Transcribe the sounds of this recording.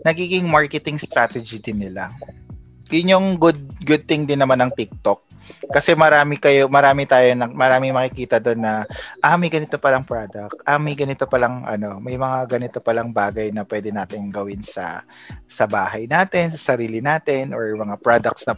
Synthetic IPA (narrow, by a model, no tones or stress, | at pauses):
nɐɡiːɡɪŋmaɹkɛt̪ɪŋst̪ɾaːt̪ɛd͡ʒɪd̪ɪnːɪla | jʊnjoŋɡʊd̪̚ɡʊd̪̚t̪ɪŋd̪ɪnːɐmanɐŋt̪ɪk̚t̪ok̚ː | ɐsɛmɐɾaːmɪkɐjomɐɾaːmɪt̪aːjonɐmɐɾaːmɪŋmɐkɪkiːt̪ɐd̪o̞nːɐʔɐmɐjɡɐnɪt̪o̞pɐlɐŋpɹad̪ɐk̚t̪ʔɐmɐjɡɐnɪt̪o̞pɐlɐŋʔɐ̰no̞mɐjmɐŋaɡɐnɪt̪o̞pɐlɐŋbaːɡɐjnɐpwɛːd̪ɛnaːt̪ɪnɡɐwɪnsɐ̰ | sɐbaːɦɐjnaːt̪ɛnsɐsɐɾiːlɪnaːt̪ɛnʔoɹmɐŋapɹad̪ɐk̚t̪snɐ